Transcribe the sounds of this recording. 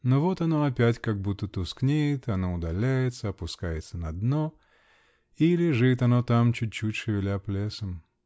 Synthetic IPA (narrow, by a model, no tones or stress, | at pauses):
novot̪ɐnoɐpʲætʲkaɡ̚but̪ːət̪ʊsknʲejɪt̪ɐnoʊd̪ɐlʲæjɪt̪səɐpʊskajɪt̪sənɐd̪no | ilʲɪʐɨt̪ɐnot̪amt͡ɕut̚ʲt͡ɕːutʲʂɨvʲɪlʲaplʲesəm